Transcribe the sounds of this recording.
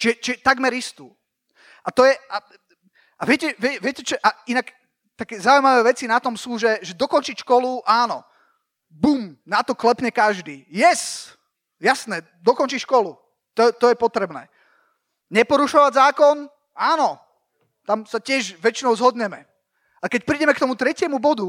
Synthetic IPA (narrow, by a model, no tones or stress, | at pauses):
t͡ʃʒɛt͡ʃiɛt̪aɡmɛɾist̪uː | at̪ɔjɛʔa | ʔaʋɪɛcɛʋɪɛʋɪɛcɛt͡ʃɔʔainak | t̪akɛːzauimaʋɛːʋɛt͡sinat̪ɔmsuːʒɛʒɛd̪ɔkɔnt͡ʃicʃkɔluʔaːnɔ̰ | buːmnat̪ɔklɛpɲɛkaʒd̪iːjɛs | jasnɛː | d̪ɔkɔnt͡ʃiːʃkɔlu | t̪ɔt̪ɔjɛpɔt̪ɾɛbnɛ̰ː | ɲɛpɔɾuʃɔʋaɟzaːkɔn | aːnɔ | t̪amsacɪɛʒʋɛt͡ʃinɔʊzɦɔd̪ɲɛmɛ | akɛc̚pɾiɟɛmɛkt̪ɔmut̪ɾɛcɪɛmubɔd̪u